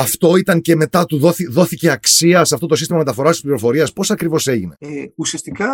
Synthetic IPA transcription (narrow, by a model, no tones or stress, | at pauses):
ɐft̪o̞it̪ɐɲce̞me̞t̪ɐt̪uðoiðo̞θice̞ɐksiɐseɐft̪o̞t̪o̞sist̪imɐme̞t̪ɐfo̞ɾɐst̪ispliɾo̞fo̞ɾiɐspo̞sɐkɾivo̞se̞ʝine̞usiɐst̪ikɐ